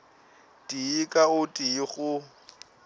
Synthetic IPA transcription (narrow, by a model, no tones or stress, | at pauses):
tʼiːkʼaʊtʼiːɣʊ